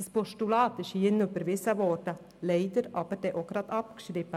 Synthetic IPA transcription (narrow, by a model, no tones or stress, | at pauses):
əspɔʃtulɑːt̪ɪʃhiənʉbəɾvɪsəvɔɾdə | leɪd̪əɾɑbəɾd̥̪eːʔoɡɾɑt̪ɑpkʃɾɪpːə